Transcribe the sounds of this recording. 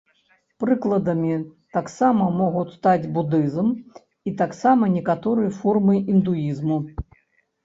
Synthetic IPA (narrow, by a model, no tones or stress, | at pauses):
pɾɨklˠɐd̪ɐmʲit̪aksamɐmɔɣutʲst̪ad͡zʲbud̪ɨzm | it̪aksamɐnʲɛkat̪ɔɾɨjɐfɔrmɨʔind̪ujizmu